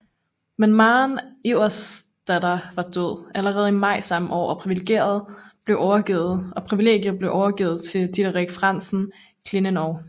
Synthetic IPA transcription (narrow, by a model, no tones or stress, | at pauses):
menmɑːneʊɐsd̥ædɐʋɑ̈d̥øð̞̰ˠʔæləʁɛːð̞̩ˠimɑ̈ɪ̰sɑ̈mʔɒ̰ːɒ̽pʰʁiʋileɡ̥e̝̰ːɐð̞ˠb̥le̝ʊʔɒʊɐɡ̥iːð̩ˠʔɒ̽pʰʁiʋile̝̰ːɡ̥jɐb̥le̝ʊʔɒʊɐɡ̥ḭːð̩ˠt͡sʰe̝dʰid̥ɐʁeɡ̥fʁɑn̰sn̩ | kʰle̝nənɒʊ